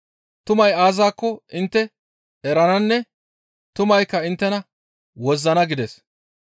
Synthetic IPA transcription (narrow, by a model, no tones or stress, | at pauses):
t̪ʊmɐjaːzaːkːɔʔɪnt̪ːɛ | ɛɾɐnɐnːɛ | t̪ʊmɐjkːɐɪnt̪ːɛnɐ | wɔzːɐnɐɡɪd̪ɛs